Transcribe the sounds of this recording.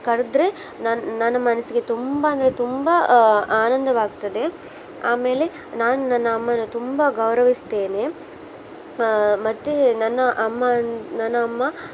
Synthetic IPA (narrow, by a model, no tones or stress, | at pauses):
kɐɾud̪ɾe | nanɐnːɐmɐnɐsiɡe̞t̪umbɐɐnd̪ɐɾet̪umbɐaːnɐnd̪ɐʋaːɡt̪ɐd̪e̞ | aːme̞ːle̞ | naːnunɐnːɐːmːɐnut̪umbɐɡɐwɾɐʋist̪e̞ːne̞ | mɐt̪ːenɐnːɐʔɐmːɐnɐnːɐːmːɐ